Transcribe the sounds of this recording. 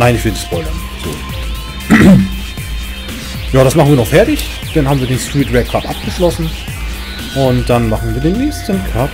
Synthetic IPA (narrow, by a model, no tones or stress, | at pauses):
naɪnɪçv̥ɪlnɪçspɔʏlɐn | z̥o̰ː | jaːɾasmaχn̩viːɐnɔχfɛɐtɪç | d̥anhaːbm̩viːɐdeːnstʁ̥iːtʁɛkʰaːtʔap̚ɡ̥əʃlɔsn̩ | ʔʊntd̥anmaχn̩viːɐdeːnːɛːçstənkʰat